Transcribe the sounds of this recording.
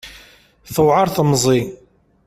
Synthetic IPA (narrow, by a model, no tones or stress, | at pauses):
θəwʕɑɾˤθmzˤi